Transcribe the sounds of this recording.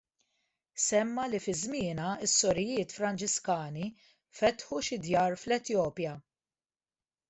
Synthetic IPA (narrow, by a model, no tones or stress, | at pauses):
sɛmːɐlifɪzmɪːnɐɪsːɔɾɪjɪːt̪fɾɐnt͡ʃɪskɐːni | fɛt̪ħuʃɪd̪jɐːɾflɛt̪jɔːpjɐ